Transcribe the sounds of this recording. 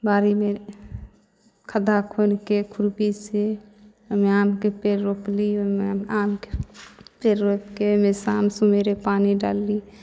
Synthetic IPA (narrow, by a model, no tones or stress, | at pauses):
baːɾime | kʰəd̪akʰoːnkekʰʊɾbise | meaːmkepeːɾɾoklimeaːmkepeːɾɾoːpkemesaːmsõmeːɾepaːniɖa̰ːlːi